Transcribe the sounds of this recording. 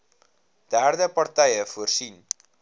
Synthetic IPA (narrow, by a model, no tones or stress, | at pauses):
d̥æːrdəpɐrtɛjəfuərsin